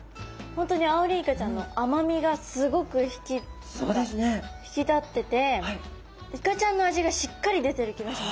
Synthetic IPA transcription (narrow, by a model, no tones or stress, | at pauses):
hõ̞nt̪oɲ̟iaɯɾʲiːkat͡ɕãnːo̞ʔamamʲiɡasɨɡo̞kɯ̟çi̥kʲi | so̰ːd̪esɨneçi̥kʲit̪at̪ːe̞t̪e̞ | ikat͡ɕãnːo̞aʑiɡaɕi̥kːaɾʲid̪e̞t̪e̞ɾɯ̟kʲiɡaɕima